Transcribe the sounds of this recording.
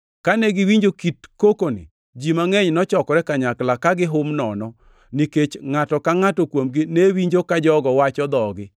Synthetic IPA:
kanɛɡɪwiɲd͡ʒokitkokonɪ̰ | d͡ʒimaŋɛɲnɔt͡ʃɔkɔɾɛkaɲaklakaɡɪɦʊmnɔnɔ | niket͡ʃŋatɔkaŋatɔkwomɡɪnewiɲd͡ʒokad͡ʒɔɡɔwat͡ʃɔd̪ɔɡɪ

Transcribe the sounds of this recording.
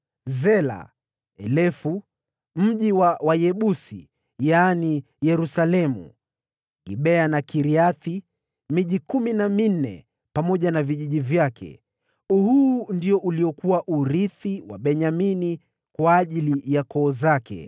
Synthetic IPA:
zɛla̰ | ɛlɛfu | m̩ʄiwawajɛɓusḭ | jani | jɛɾusalɛmṵ | ḭɓɛanakiɾiaθi | miʄikuminamin̩nɛ̰ | pamɔʄanaviʄiʄivjakʰɛ̰ | uhuːndiɔʔuliɔkuwaʔuɾiθiwa̰ɓɛɲamini | kwaːʄilijakɔːzakɛ̰

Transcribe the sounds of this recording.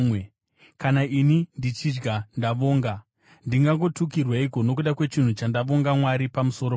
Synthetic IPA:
e | kanainindit͡ʃid͡ʒɡandaʋo̞ːŋɡa | ndiŋɡaŋɡo̞tukirwaiko̞no̞k̬uɗakwe̞t͡ʃin̤ut͡ʃandaʋo̞ŋɡamwaɾipamuso̞ɾo

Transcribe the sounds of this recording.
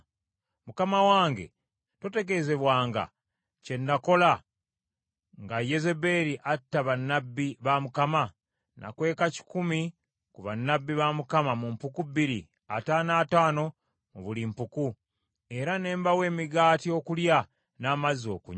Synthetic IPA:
mukamawaːŋɡe̞̰ | to̞te̞ɡe̞ze̞βwaːŋɡa̰ | ce̞ndako̞la | ŋɡaje̞ze̞beɾiʔatːaβanːabːiβamukama | nʔa̰kwe̞ːkaci̥kumi | kuβanːabːiβamukamamumpukubːiɾḭ | a̰taːnaːtaːno̞ | muβulimpuku | e̞ɾane̞ːmbawe̞ːmiɡaːtio̞kulja | naːmazio̞̰kuɲ

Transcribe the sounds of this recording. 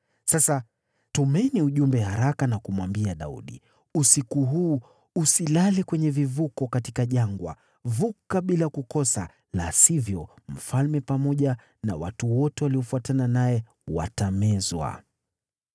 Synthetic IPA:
sasa | tumɛniuʄumbɛhaɾakanakumwambiaɗaṵɗḭ | usikuɦuː | usilalɛkwɛɲɛvivukɔkatikaʄaŋɡwa̰ | vukaɓilakukɔsa̰ | lasivjɔ | m̩falmɛpamɔʄa | na̰watuwɔtɛwaliɔfuatananajɛ | wa̰tamɛzwa̰

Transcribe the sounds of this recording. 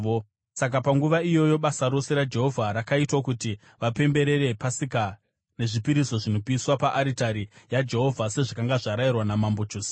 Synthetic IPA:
o | sak̬apaŋɡuʋaijo̞jo̞ɓasaɾo̞se̞ɾad͡ʒe̞ɦo̞vʱaɾakaitwakuti | ʋape̞mbe̞ɾe̞ɾe̞pasika | ne̞ʐipiɾiso̞ʐino̞piswapaʔaɾitaɾijad͡ʒe̞ɦo̞vʱase̞ʐakaŋɡaʐaɾairwanamambo̞t͡ʃoːsi̥

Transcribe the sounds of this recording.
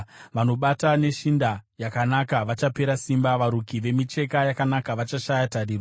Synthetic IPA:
ʋano̞ɓatane̞ʃindajakanakaʋat͡ʃape̞ɾasimbaʋaɾukiʋe̞mit͡ʃe̞kajakanakaʋat͡ʃaʃajatariːro

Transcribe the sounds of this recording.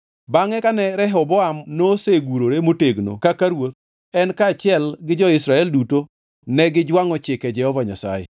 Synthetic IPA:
baŋɛkanɛɾɛɦɔbɔamnoseɡuɾoɾemoteɡno̰kakaɾwot̪̚ | ɛnkaːt͡ʃɪɛlɡɪd͡ʒɔɪsɾaɛlduto | nɛɡɪd͡ʒwaŋɔt͡ʃɪkɛd͡ʒɛhɔvaɲa̰sa̰jɛ̰

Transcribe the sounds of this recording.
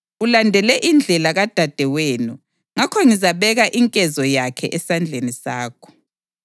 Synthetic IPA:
ulandʱɛlɛʔind͡ɮʱɛlaɣad̥ʱad̥ʱɛweːnu | ŋakʰɔŋizaβɛɣaʔiŋkʼɛzɔjakʰɛ̰ʔɛsand͡ɮʱenisaːkʰɔ̥

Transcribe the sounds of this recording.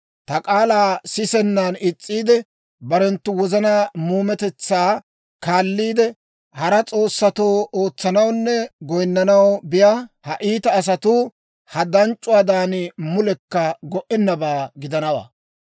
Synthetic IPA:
t̪ɐkʼaːlaːsɪsɛnːaːnɪt͡sʼːiːd̪ɛ | bɐɾɛnt̪ːʊwɔzɐnaːmuːmɛt̪ɛt͡sːaː | kaːlːiːd̪ɛ | hɐɾɐt͡sʼo̞ːsːɐt̪oːoːt͡sːɐnɐwnːɛɡɔjnːɐnɐwbɪjahɐʔiːt̪ɐːs̬ɐt̪uː | hɐd̪ɐnt͡ʃʼːʊwaːd̪aːnɪmʊlɛkːɐɡɔʔɛnːɐbaːɡɪd̪ɐnɐwa̰ː

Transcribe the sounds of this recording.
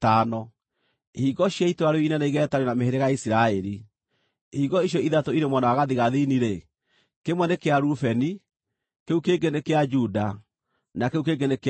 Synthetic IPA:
tanɔ | hiɣɔʃjaitwaɾɔinɛnɛiɣɛːtaɾenameheɾeɣaisiɾaɛɾi | hiɣɔiʃ̬ɔiðatoiɾemwanawaɣaðiɣaðiniɾe | kemwɛnekeaɾufɛni | keukeɡenekead͡ʒuda | nakeukeɡenek

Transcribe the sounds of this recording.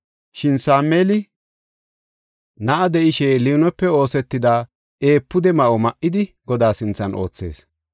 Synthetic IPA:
ʃɪnsaːmːeːlɪ | nɐʔɐd̪ɛʔɪʃɛliːnɛpːɛo̞ːsɛt̪ːɪd̪aː | ʔeːpːʊd̪ɛmɐʔɔmɐʔɪd̪ɪ | ɡɔd̪aːsɪnt͡sːɐnʔoːt͡sːe̞̰ːs

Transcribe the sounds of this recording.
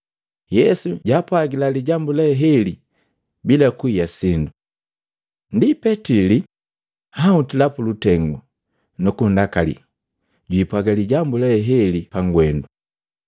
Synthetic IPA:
jɛsuɟapwaɡilaliɟambulɛɦɛli | bilakuijasindu | ndipɛtili | hautilapulutɛŋɡu | nukundakalḭ | ɟwipwaɡaliɟambulɛɦɛlipaŋɡwɛndu

